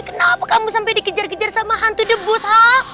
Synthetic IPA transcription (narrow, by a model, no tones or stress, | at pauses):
kənaapakamusampajdikəd͡ʒarkəd͡ʒarsamaɦant̪udəbʊshaʔ